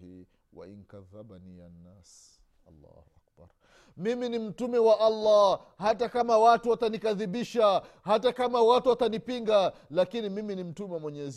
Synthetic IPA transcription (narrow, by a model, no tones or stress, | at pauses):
i | wa̰ḭŋkaðaɓanijanːas | lːɑ̰hʔak̚ba̰ɾ | miminim̩tumɛwaʔalːa | hatakamawatuwatanikaðiɓiʃahatakamawatuwatanipiŋɡalakinimiminim̩tumɛwamwɛɲɛz